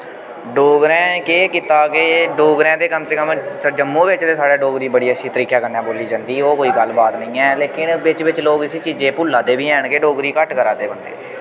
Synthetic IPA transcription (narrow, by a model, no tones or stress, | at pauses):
ɖoːɡɾɛ̃ːkeːkɪt̪aːkeːɖoːɡɾɛ̃ːd̪eːkəmseːkəməd͡ʒəmːõːʋɪt͡ʃt̪eːsaːɽeːɖoːɡɾiːbəɽiːəsiːt̪əɾiːkaːkəɾnɛːboːliːd͡ʒãːnd̪iːoːkoːiːɡəlbaːt̪nəĩːɛːleːkɪnʋɪt͡ʃʋɪt͡ʃloːɡɪsiːt͡ʃiːd͡ʒẽːpʊːlaːd̪eːʋiːɛːɳkeːɖoːɡɾiːkəʈkəɾaːd̪eːbənd̪ḛː